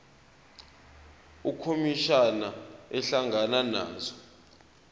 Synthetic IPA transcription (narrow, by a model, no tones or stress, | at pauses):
ukʰomiʃanaɛɬaŋɡʱanana̰ːzɔ